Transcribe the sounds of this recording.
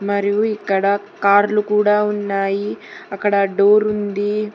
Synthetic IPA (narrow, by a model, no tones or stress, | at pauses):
mɐɾijuikːɐɽɐ | kaːɾlukuːɽaːunːaːjiɐkːɐɽɐɖoːɾund̪i